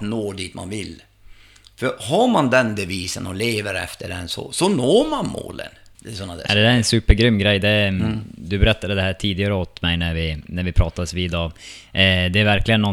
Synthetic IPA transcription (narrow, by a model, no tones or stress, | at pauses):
noːɖ̪iːt̪ma̰nvɪl | fœɾhaɾmand̪ɛnb̪ɛviːsənɔleːvəɾɛ̰ft̪əɖɛnsɔ̰sɔnoːɾmanmo̰ːlə̰nɛsɔnːaʔa̰d̪ɛd̪æɾɛnsʉːpəɾɡɾʏmːɡɾɛjːd̪ɛ | d̪ɵbɛɾɛt̪ːad̪əd̪ɛhæːʈʰiːd̪ɪɡaɾəot̪mɛjnæɾvɪnæɾvɪpʰɾɑːt̪ad̪əsviːd̪ɑ | d̪ɛæɾvæɾklɪɡənːɔ